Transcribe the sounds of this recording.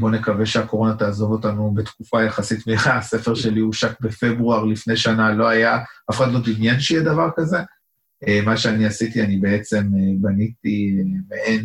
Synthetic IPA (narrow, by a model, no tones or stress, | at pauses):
bo̞ne̞kave̞ʃeako̞ʁo̞nat̪aːzo̞vo̞t̪anubet̪kufajaχasit̪miχase̞feʁʃe̞liuʃak̚be̞fe̞bʁuaʁlifne̞jʃanalo̞ajaafeχat̪lo̞d̪injanʃejɛd̪avaʁkaze̞ | emaʃeaniasit̪ianibee̞t͡se̞mebanit̪imeʔen